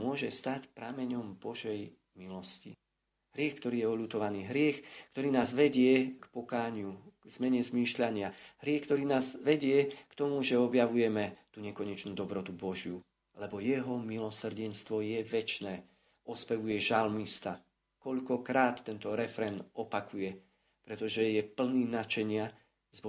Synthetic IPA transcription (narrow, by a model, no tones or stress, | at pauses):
mʊɔʒɛst̪acpɾamɛɲɔmbɔʒɛj | milɔscḭ | ɦɾɪɛxkt̪ɔɾiːjɛɔʎut̪ɔʋaniːɦɾɪɛxk̚t̪ɔɾiːnaːzʋɛɟɪɛkpɔkaːɲɪuɡz̥mɛɲɛzmiːʃʎaɲɪaɦɾɪɛxkt̪ɔɾiːnaːzʋɛɟɪɛkt̪ɔmuʒɛɔbjaʋujɛmɛt̪uɲɛkɔɲɛt͡ʃnuːd̪ɔbɾɔt̪ubɔʒɪju | lɛbɔjɛɦɔmilɔsr̩ɟɛnst̪ʋɔjɛʋɛt͡ʃnɛː | ɔspɛʋujɛʒalmist̪a | kɔʎkɔkɾaːt̪ːɛnt̪ɔɾɛfɾɛnɔpakʰujɛ | pɾɛt̪ɔʒɛjɛpl̩niːnat͡ʃɛɲɪa | z